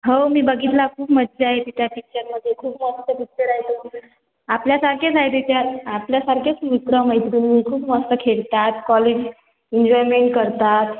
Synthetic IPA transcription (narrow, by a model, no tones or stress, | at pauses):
ɦəwmiːbəɡit̪lakʰuːpməd̪d͡zeaɦet̪it̪japik̚t͡ʃəɾməd̪ʱːjekʰuːpmanit̪apikt͡ʃəɾaet̪o | apljasaɾkʰet͡sajt̪et̪jaɾapljasaɾkʰet͡smikɽəmaɦjt̪ɾunmiːkʰuːpməst̪əkʰeɭt̪at̪kɔlid͡ʑ | iɲd͡ʑɔjɾmeɳʈkəɾt̪at̪